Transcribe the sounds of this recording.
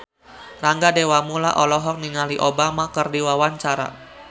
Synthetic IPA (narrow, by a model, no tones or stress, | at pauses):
raŋɡadewamula̰ʔɔlɔɦɔk̚niŋaliʔobamakərdiwawaɲt͡ʃaɾa̰